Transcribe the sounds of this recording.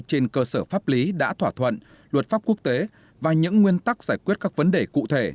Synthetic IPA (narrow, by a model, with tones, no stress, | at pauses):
t͡ɕe˧nkəː˧səː˧˩faː˦˥p̚li˨˦ɗa̰ː˧˥t̪ʰwaː˧˩t̪ʰwə̰˧˨n | lwə˨˩t̚faː˦˥p̚ku˦˥ək̚t̪e˨˦ | vaː˨˩ɲɨ̰˧˥ŋːwi˧ənt̪a˦˥k̚zaː˧˩jkwi˦˥ət̚kaː˦˥k̚və˨˦nɗe˨˩kṵ˧˨t̪ʰe˧˩